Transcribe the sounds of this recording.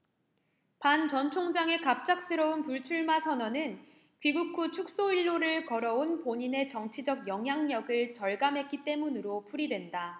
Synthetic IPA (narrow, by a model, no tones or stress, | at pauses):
pant͡ɕʌnt͡ɕʰoŋd͡ʑaŋe̞kap̚t͡ɕ͈ak̚s͈ɯɾʌunpuɭt͡ɕʰuɭmasʰʌnʌnɯn | piɡuk͈̚ut͡ɕʰuk̚s͈oiɭːoɾɯɭkʌɾʌunpoɲine̞t͡ɕʌŋt͡ɕʰid͡ʑʌɡjʌŋɦjaŋɲʌɡɯɭt͡ɕʌɭɡamɦe̞k͈it͈e̞munɯɾopʰuɾidwe̞nda